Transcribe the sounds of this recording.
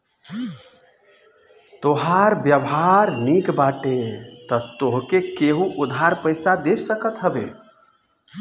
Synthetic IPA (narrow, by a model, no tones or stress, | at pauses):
t̪oɦaɾbjəbɦaɾnikbaʈet̪ɔt̪oɦkekeɦuʔud̪ʱaɾpəjsad̪esəkət̪ɦəbḛ